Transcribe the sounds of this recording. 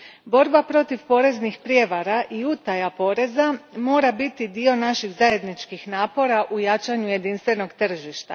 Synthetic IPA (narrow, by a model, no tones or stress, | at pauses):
bo̞ɾbapɾo̞t̪iʋpo̞ːɾe̞znixpɾje̞ʋaɾaʔiut̪ajapo̞ːɾe̞zamo̞ːɾabit̪id̪io̞naʃiɣzaje̞d̪nit͡ʃkixnaːpo̞ɾaʔujat͡ʃaɲuje̞d̪inst̪ʋe̞no̞ɡt̪r̩ʒiʃt̪a̰